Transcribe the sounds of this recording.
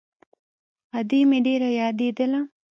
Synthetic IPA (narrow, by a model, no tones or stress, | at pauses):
ɐd̪imiɖiɾɐjaːd̪id̪elɐ